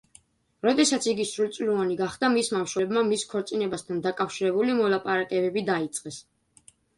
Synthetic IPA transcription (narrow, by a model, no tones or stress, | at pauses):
ɾɔd̪ɛsat̪sʰiɡisɾulˠt̪sʼluvaniɡaχd̪amismamʃwɛbmamiskʰɔɾt̪sʼinɛbast̪ʰand̪akʼafʃiɾɛbulimɔlˠapʼaɾakʼɛbɛbid̪ait̪sʼqʼɛs